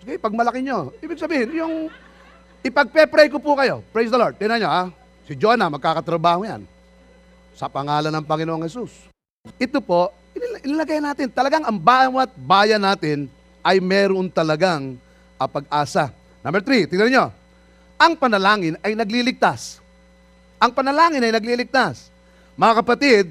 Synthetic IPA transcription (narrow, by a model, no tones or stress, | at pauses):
sɪɡɪpɐɡ̚mɐlɐkɪɲo̞iːbɪɡ̚sɐbiːhɪnjʊŋ | ɪpɐɡ̚pɛpɾɛjkopukɐjo̞̰pɹejsd̪ɐloɹd̪̚t̪ɪnɐɲoʔa | sɪd͡ʒonɐmɐɡ̚kaːkɐt̪ɾɐbaːhoja̰n | sɐpɐŋaːlɐnɐŋpɐŋɪnoʔoŋhɛsus | ʔɪt̪opo̞ʔ | ɪnʔɪnɐlɐɡajnaːt̪ɪnt̪ɐlɐɡaŋɐŋbaːwɐt̪̚baːjɐnaːt̪ɪn | ʔɐjmɛːɾoŋt̪ɐlɐɡaŋ | ʔɐpɐɡʔaːsa | nɐmbɛɾt̪ɾit̪ɪɡnɐnɪɲo̞ | ʔɐŋpɐnɐlaːŋɪnɐjnɐɡlilɪɡ̚t̪as | ʔɐŋpɐnɐlaːŋɪnɐjnɐɡlilɪk̚t̪as | mɐŋakɐpɐt̪ɪd̪̚